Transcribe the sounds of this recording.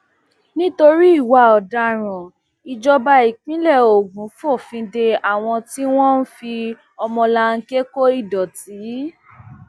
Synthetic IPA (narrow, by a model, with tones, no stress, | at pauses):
nĩ˦to˧ɾi˦i˦˨wa˨ɔ˨da˧˨ɾ̃ɔ̃˨ | i˨d͡ʒɔ˧ba˧i˨k͡pĩ˦lɛ˦˨o˨ɡũ˨˦fɔ˦˨fĩ˧de˧a˨w̃ɔ̃˧ti˦w̃ɔ̃˦n̩˦fi˧ | ɔ˧mɔ̃˧la˧ŋ̩˦ke˦ko˦i˦˨dɔ˨ti˨˦